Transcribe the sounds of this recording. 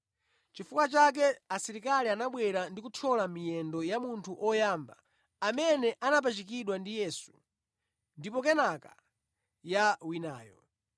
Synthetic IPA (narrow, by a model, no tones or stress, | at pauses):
t͡ʃifukwat͡ʃak̬ɛasiɾikalianaɓwɛɾandikutʰɔlamijɛndɔjamuntʰuʔɔjaːmba̰ | amɛnɛʔanap̬at͡ʃik̬iɗwandijɛsu̥ | ndipɔkɛnaka | jawinaːjɔ